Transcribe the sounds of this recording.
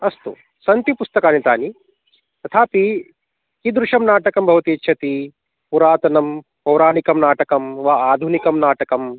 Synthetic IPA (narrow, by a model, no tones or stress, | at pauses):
ɐst̪ṵ | sɐnt̪ipust̪ɐkaːnit̪aːni | t̪ɐt̪ʰaːpi | kid̪ɾuʃɐmnaːʈɐkɐmbʱɐʋɐt̪iːtːʃʰɐt̪i | puɾaːt̪ɐnɐm | pɐwɾaːnikɐmnaːʈɐkɐmʋaaːd̪ʱunikɐmnaːʈɐkɐm